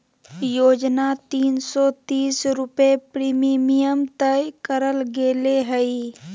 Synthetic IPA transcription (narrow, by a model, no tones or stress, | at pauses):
joːd͡ʒnat̪iːnsɔt̪iːsɾʊpepɾiːmimijəmt̪əkəɾəlɡeːleɦəi